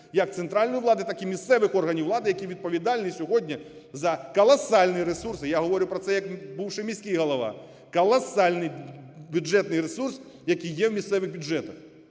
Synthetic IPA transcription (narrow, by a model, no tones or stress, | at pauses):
jɐk̚t̪sɛnt̪ɾalʲnɐjʊwlˠad̪ɨt̪akimʲist̪sɛvɨxɔrɣɐnʲiwlˠad̪ɨjɐkʲiʋʲit̪̚pɐvʲid̪alʲnɨsʲʊɣɔd̪ʲnʲɐ | zɐkɐlˠɐsalʲnɨjɐɾɛsursɨjaɣɐʋɔɾʲʊpɾɐt̪sɛjɐkbɨwʂɨmʲisʲkʲijɣɐlˠɐʋa̰ | kɐlˠɐsalʲnɨbʲuɛt̪nɨɾɛsurs | jɐkʲijjeɛwmʲist̪sɛʋɨɣbʲʊʐɛt̪ɐx